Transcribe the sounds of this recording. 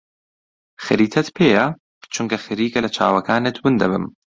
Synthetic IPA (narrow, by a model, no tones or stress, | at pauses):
xɨɾiːt̪ʰɐt̪pʰeːjɐ | t͡ʃʰuŋkɐxɨɾiːkɐlɐt͡ʃʰa̰ːwɐkʰaːnet̪ʰwɨnd̪ɐbɨ̰m